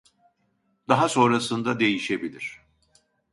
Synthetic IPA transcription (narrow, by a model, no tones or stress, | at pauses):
d̪̥aɦaso̞nɾasɯnd̪ad̪e̞jiʃe̞bilʲiɾ̝̥